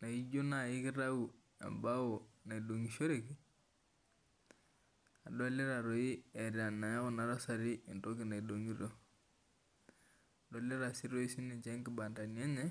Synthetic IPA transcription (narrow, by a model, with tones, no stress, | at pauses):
na˨i˦d͡ʒo˦na˨ɪ˦kɪ˦ɾa˦u˨ | a̰˨mba˦o˨na˨i˨do˨ŋi˨ʃo˦ɾe˨ki˨ | a˨dɔ˦lɪ˦ɾa˨ɾo˨i˦ɛ˨ɾja˨nːa˨ja˦ʊ˨na˨ɾa˦sa˨ɾi˦ɪ˨nto˦kɪ˨na˨i˨do˨ŋi˦ɾo˦ | a˨dɔ˨˦lɪ˦ɾa˨si˦ɾo˦i˦si˦ni˨t͡ʃɛ˦ŋkɪ˨ba˨nda˨njɛ˦ɲɛ˦